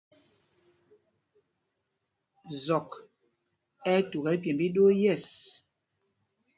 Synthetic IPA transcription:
zɔ˨k | ɛ˦tu˨ɣɛ˨˦lpjɛ˨mbi˦ɗo˦jɛ˦˨s

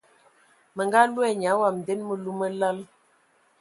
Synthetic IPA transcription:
mə˨ŋɡa˦lu˦ɛ˦˨ɲ˨a˨˦wa˨mn˨dɛ˦nmə˨lu˦mə˦la˦l

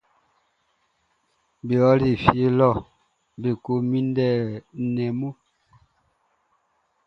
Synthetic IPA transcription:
bi˨ɔ˦li˨fje˦lɔ˦˨ | bi˨ko˦mi˦ndɛ˦˨nɛ˨mo˦˨

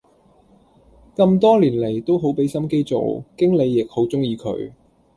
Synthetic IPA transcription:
kɐ˧mt̪ɔː˥liː˨˩nle˨˩jt̪o˥wɦo˨˥wpe˨˥jsɐ˥mke˥jt͡so̰˨wkɪ˥ŋle˨˧jːɪ˨k̚ho˨˥wt͡sʊ˥ŋjiː˨˧kʰɵ̰˨˥ɥ

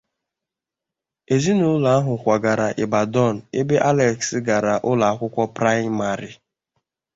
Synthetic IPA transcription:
e˨zi˦nʊ˨ʊ˦la˨a˦ɦʊ˨kʷa˨ɡa˨ɾa˨ʔe˨ba˨dɔ˦˨n̩˨e˦be˦ʔa˦lɛ˨ksɡa˨ɾa˨ʔʊ˦la˨a˦kʷʊ˦kʷɔ˦pɾa˦ɪ˦ma˨ɾi˨

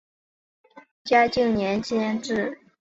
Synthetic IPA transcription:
t͡ɕja˥t͡ɕi˥˩ŋnjɛ˧˥nt͡ɕjɛ˥nʈ͡ʂɻ̩˥˩

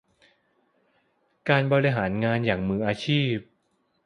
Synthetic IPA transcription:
kaː˧nbɔː˧ɾiː˧ɦaː˩˦nŋaː˧njaː˨˩ŋmɯː˩˦ʔaː˧t͡ɕʰiː˥˩p̚

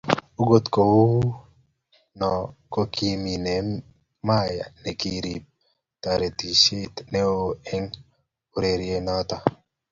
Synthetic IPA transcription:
o˦ɡo˦t̪ko˨wu˦ | nɔ˨ko˦kʰi˦mi˨nɛ˨ | ma˦ja̰˨ne˨ki˦ɾi˨p̚ | t̪a˨ɾe˨t̪i˨ʃe˦t̪ne˦o˦ɛ˦ŋ | o˨ɾe˨ɾje˦nɔ˦t̪a˦

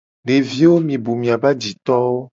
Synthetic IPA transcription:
ɖe˨vi˦wo˦mĩ˨bu˨mĩ˨a˨ba˦d͡ʑi˨t̪ɔ˦wo˦

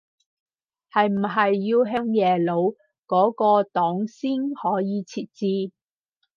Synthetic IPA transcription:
hɐ˨jm̩˨˩ɦɐ˨jːiː˧wɦe˥ŋjɛː˨˩lo˨˧w | kɔː˨˥kɔː˧t̪ɔː˨˥ŋsiː˥nhɔː˨˥jiː˨˧t͡sʰiː˧t̚t͡siː˧

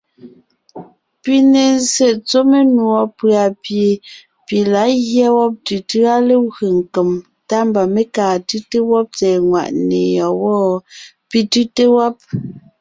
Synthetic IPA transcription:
pi˦ne˨n̩˦se˨t͡so˦me˦nwɔ˨pɰa˨pje˨ | pi˨la˨˦ɣjɛ˦wɔ˦p̚tɯ˨tɯ˦a˦le˦ɣe˨ŋ̩˨ke˨m | ta˦mba˨me˦kaː˨tɯ˦te˦wɔ˦p̚tɛː˨ŋwa̰˨ʔnḛ˨jɔ˨wɔː˦˨ | pi˦tʉ˦te˦wɔ˦p̚

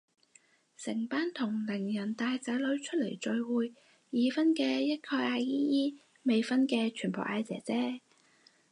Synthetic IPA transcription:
sɪ˨˩ŋpaː˥nt̪ʰʊ˨˩ŋlɪ˨˩ŋjɐ˨˩nt̪aː˧jt͡sɐ˨˥jlɵ˨˥ɥt͡ʃʰɵ˥t̚le˨˩jt͡ʃɵ˨˧ɥwuː˨˧jː | iː˨˧fɐ˥nkɛː˧jɐ˥t̚kʰɔː˧jʔaː˧jjiː˥jiː˥ | me˨˧jfɐ˥nkɛː˧t͡ʃʰyː˨˩npo̰˨˩ʔaː˧jt͡sɛ̰ː˨˥t͡sɛː˥

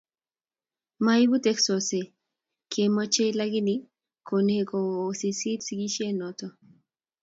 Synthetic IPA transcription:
ma˦i˦bu˦tɛ˦ksɔ˨se˨ | kʰe˨mɔ˦t͡ʃe˦la˦ɡi˦ni˨ | kʰo˨ne˦˨kɔː˨si˨si˦tsi˦ɡi˦ʃe˦nɔ˨tɔ˨

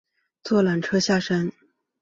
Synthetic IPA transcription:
t͡swɔ˥˩la˨˩nʈ͡ʂʰɤ˥ɕja˥˩ʂa˥n

